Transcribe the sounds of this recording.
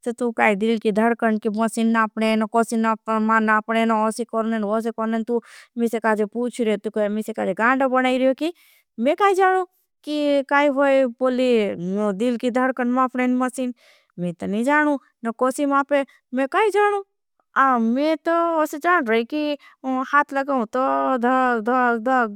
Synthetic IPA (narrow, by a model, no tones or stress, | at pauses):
sɐt̪ukaːid̪ilkid̪ʱəɾkəɾnkimɐsinːaːpɽenɐkɔːsinapmanapɽenɐosikɔɾnenos̬ekɔɾnent̪umisekaːd͡ʒepuːt͡ʃʰɾiot̪ukmisekaːd͡ʒeɡãːɳɖabɐnaːiɾijoki | mẽkaːid͡ʒaːnu | kikaːiɦojboːlid̪ilkid̪ʱəɾkənmaːpʰnenmɐsin | mẽt̪ɔnid͡ʒaːnũ | nɐkɔːsimãːpe | mẽkaːid͡ʒaːɽũ | amẽt̪ɔosed͡ʒaːnɾəiki | haːt̪ʰlɐɡaũt̪ɔd̪d̪d̪